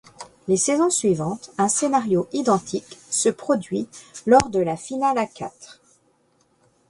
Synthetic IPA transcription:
lesɛzɔ̃sɥivɑ̃t̪ɛ̃senaʁjoʔid̪ɑ̃t̪ʰiksəpχɔd̪ɥilɔʁd̪əlafinalaka̰t̪χ

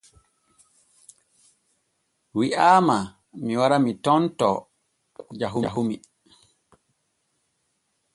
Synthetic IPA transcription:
wiʔaːma | miwaɾamitɔntɔ | d͡ʒaɦuɦumi

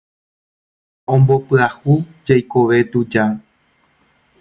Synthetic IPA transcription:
õmbo̞pɨahud͡ʒajko̞ʋe̞t̪ud͡ʒa

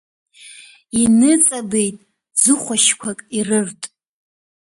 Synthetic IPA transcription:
inɨt͡sʼabe̞jtʼ | d͡zɨχʷaʃkʷʰakʼirɨrtʼ

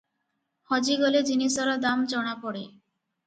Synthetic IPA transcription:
hɔd͡ʒiɡɔled͡ʒinisɔɾad̪amd͡ʒɔɽ̃apɔɽe

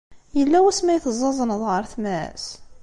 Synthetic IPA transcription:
jəlːæwæsmæjθəzˤːɑzˤənəðˤʁəɾˤθmæ̰s

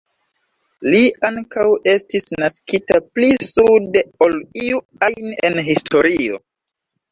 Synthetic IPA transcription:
liaŋkawe̞stisnaskitaplisude̞o̞liu | ajnḛnɦistʰo̞ɾio̞̰

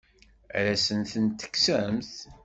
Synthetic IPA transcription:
ɾæsənθənt̪ːə̥kːsæmθ

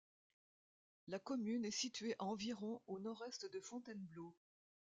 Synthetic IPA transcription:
lakɔmynɛsit̪ɥeʔaɑ̃viʁɔ̃onɔʁɛst̪d̪əfɔ̃t̪ɛnblo

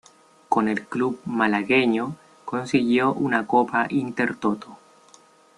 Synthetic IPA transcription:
konelklub̚malaɣeɲo | ko̞nsiɣjoʔunakopaʔint̪eɾt̪ot̪o

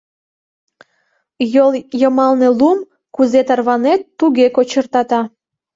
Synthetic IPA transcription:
joljəmɑlnelum | kuzet̪ərβɑnet̪ːuɣekot͡ɕərt̪ɑt̪ɑ

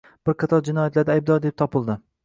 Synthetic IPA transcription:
b̥ɪɾqʰɨt̪ʰɒlˠd͡ʒɪnɒjat̪ʰlaɾd̪ajb̚d̪ɒɾd̪e̞p̚t̪ʰɒpɨlˠd̪ɪ

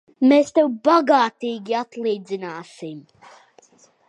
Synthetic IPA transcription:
meːst̪ɛwbaɡaːt̪iːɡʲiat̪lˠiːd̪zinaːsim

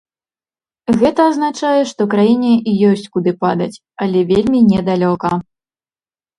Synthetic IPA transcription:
ɣɛt̪ɐːznat͡ʂajɛʂt̪ɔkɾajinʲɛʔijɔsʲt͡sʲkud̪ɨpad̪ɐt͡sʲ | ɐlʲɛvʲelʲmʲinʲɛd̪alʲɔkɐ

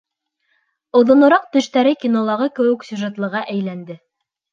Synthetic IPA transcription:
ŏðŏnŏɾɑq̚t̪ɵ̆ʃt̪æɾɘkʲinolˠɑʁɤkɘ̆wɘ̆ksʲʉʒet̪lˠɤ̆ʁɑʔæjlænd̪ɘ

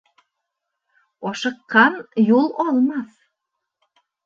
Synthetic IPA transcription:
ɒʃɤ̆qːɑnjulˠɒlˠmɑθ

